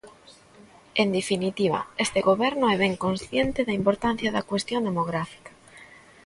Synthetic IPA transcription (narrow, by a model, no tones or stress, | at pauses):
end̪efinit̪iβɐ̰est̪eɣoβɛɾnoɛβɛŋkonsθjent̪ɪðɐimpoɾt̪an̟θjɐðɐkwest̪jond̪emoɣɾafi̥kḁ